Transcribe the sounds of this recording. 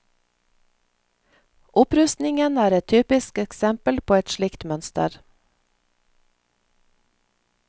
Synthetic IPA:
ʔʊpɾʉst̪nɪŋənæːɾɛt̪ʰyːpɪskɛksɛmpəlpʰoːɛt̪ʃlɪkt̪mœnst̪ə̰ɾ

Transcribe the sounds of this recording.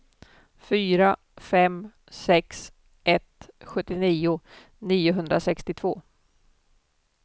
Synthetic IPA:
fyːɾa | fɛm | sɛks | ʔɛt̪ɧɵt̪ːɪniːʊ | niːʊɦɵnd̪ɾasɛkst̪ɪt̪ʰvoː

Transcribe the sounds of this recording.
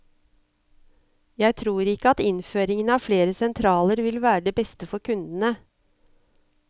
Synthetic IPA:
jæɪt̪ʰɾuːɾɪkːəɑt̪ɪnføːɾɪŋənəɑːfleːɾəsɛnt̪ʰɾɑːləɾʋɪlʋæːɾəɖebɛst̪əfɔɾkʰʉnd̪n̩ə

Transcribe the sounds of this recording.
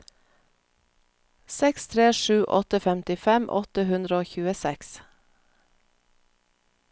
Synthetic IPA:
sɛkst̪ʰɾeːʃʉːʔɔt̪əfɛmt̪ɪfɛmʔɔ̰t̪əhʉnd̪ɾəoːçʉːəsɛks

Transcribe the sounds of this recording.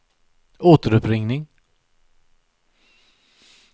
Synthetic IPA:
oːt̪əɾɵpɾɪŋnɪŋ

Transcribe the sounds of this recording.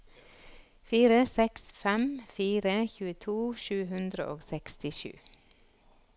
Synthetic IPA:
fiːɾəsɛksfɛmfiːɾəçʉːət̪ʰuːʃʉːhʉnd̪ɾə̰ʔoːɡsɛkst̪ɪʃʉ̰ː

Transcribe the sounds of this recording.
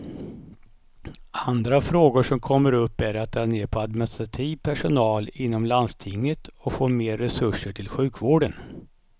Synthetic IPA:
and̪ɾafɾoːɡʊʂɔmkʰɔmːəɾɵpːæɾat̪̚d̪ʰɑːneːɾpʰɔad̪mɪnɪst̪ɾat̪ʰiːvpʰæʂʊnɑːlɪnːɔmland̪st̪ʰɪŋːət̪ɔfoːmeːɾːɛsɵʂːəʈʰɪlɧʉ̟ːkvoːɖən

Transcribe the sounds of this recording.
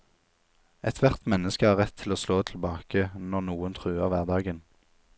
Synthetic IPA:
ɛt̪ʰʋæʁt̪mɛnːəskəhɑːʁɛt̪ʰɪloːsloːt̪ʰl̩bɑːkənɔʁnuːənt̪ʰʁʉːəʁʋæːʁd̪ɑːɡən

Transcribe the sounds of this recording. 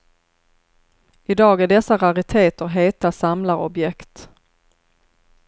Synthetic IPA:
ɪd̪ɑːɡæɖɛsːaɾaɾɪt̪ʰeːt̪əɾɦeːt̪asamlaɾɔ̰bjɛkt̪

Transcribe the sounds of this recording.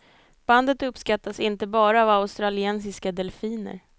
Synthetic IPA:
b̥and̪ət̪ɵpːskat̪ːasɪnt̪əbɑːɾaːvaʊst̪ɾalɪɛnsɪskad̪ɛlfiːnə̰ɾ

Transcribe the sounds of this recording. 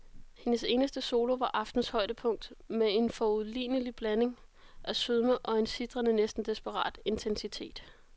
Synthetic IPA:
he̝nəse̝ːnəsd̥əso̝ːlo̝ʋɑ̈ʔɑ̈fd̥n̩shɒ̽ɪ̰d̥əpʰɔ̽ŋ̰d̥mee̝nfɒuðˠlḭːnəlib̥læne̝ŋ | ʔæsøðˠməʔɒ̽e̝nsid̥ʁɐnənesd̥n̩d̥esb̥əʁɑ̰̈ːd̥e̝nt͡sʰensit͡sʰe̝̰ːd̥

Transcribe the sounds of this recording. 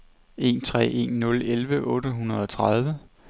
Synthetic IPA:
e̝nt͡sʰʁɛ̰ːe̝̰ːnːɔ̽lelʋəʔɔ̽ːɾəɦunɐð̞ˠɒt͡sʰʁɑð̞ˠʋə

